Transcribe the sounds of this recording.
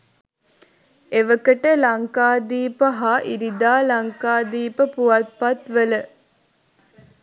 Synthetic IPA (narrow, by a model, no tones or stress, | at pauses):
eʋəkəʈəlaŋkaːd̪iːpəɦaʔiɾid̪aːlaŋkaːd̪iːpəpuʋɐt̪̚pat̪ʋələ